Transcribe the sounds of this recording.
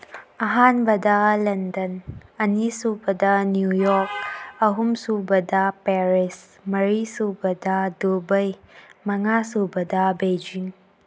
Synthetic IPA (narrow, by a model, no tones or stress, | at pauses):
ɐɦanbɐdɐlɐndɐnɐnisubɐdɐnjujɔɾk̚ɐɦumsubɐdɐpeɾis | mɐɾisubɐdɐdobɐjmɐŋasubɐdɐbed͡ʒiŋ